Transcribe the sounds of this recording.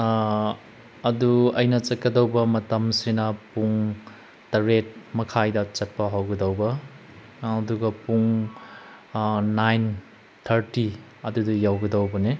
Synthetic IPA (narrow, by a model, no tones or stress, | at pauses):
ɐduɐjnɐt͡ʃɐt̚kɐdɐwbɐmɐtɐmsinɐpuŋ | tɐɾet̚mɐkʰajdɐt͡ʃɐt̚pɐɦawɡɐdɐwbɐː | duɡɐpuŋ | najn | tʰɐɾti | ɐdudijawɡɐdɐwbɐni